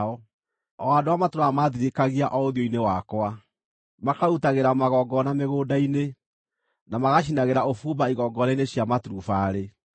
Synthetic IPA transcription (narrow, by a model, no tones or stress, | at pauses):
ɔ | ɔadowamatoɾaamaðiɾekaɣiaʔɔoðiɔinewakwa | makautaɣeɾamaɣɔɡɔnameɣoːdaine | namaɣaʃ̬inaɣeɾaofubaiɣɔɡɔnaineɕjamatɾufaɾe